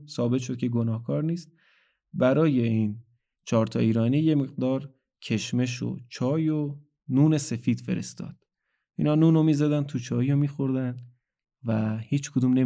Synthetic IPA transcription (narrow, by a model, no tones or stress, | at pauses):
sɒːbe̞t̪ʃ̬o̞d̪̚cʰe̞ɡonɒːhkʰɒːɾniːst̪̚ | bæɾɒːje̞iːn | t͡ʃʰɒːɾt̪ʰɒ̰ːiːɾɒːniːje̞me̞ɣ̚d̪ɒːɾ | cʰe̞ʃme̞ʃ̬o̰t͡ʃʰɒːjo | nuːne̞se̞fiːd̪̥fe̞ɾḛst̪ɒ̰ːd̪̥̚ | ʔiːnɒːnuːnomiːzæd̪ænt̪ʰut͡ʃʰɒːjomiːxo̞ɾd̪ænd̪ | væhiːt͡ʃʰkʰod̪uːmne